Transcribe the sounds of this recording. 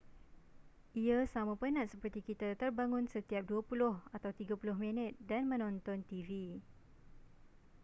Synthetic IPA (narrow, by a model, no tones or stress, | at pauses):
ʔiasamãpənãʔ̪̚səpərt̪ikit̪at̪ərbaŋʊ̃nsət̪iap̚duapulʊhat̪awt̪iɡapulʊhmĩnət̪̚danmə̃nɔ̃nt̪ɔnt̪ivi